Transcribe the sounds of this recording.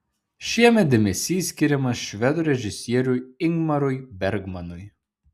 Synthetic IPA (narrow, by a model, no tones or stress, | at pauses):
ʃʲiɛmʲɛt̪̚d̪ʲɛmʲɛsʲiːsʲkʲɪɾʲɛmɐsʃʲʋʲɛd̪ʊɾʲɛʒʲɪsʲiɛɾʲuɪŋɡmɐɾʊjbʲɛɾʲɡmɐnʊj